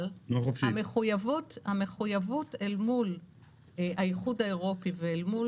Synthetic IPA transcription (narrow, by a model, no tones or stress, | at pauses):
lnoχofʃiameχujavutameχujavutelmul | ajiχudaeʁo̞piveelmu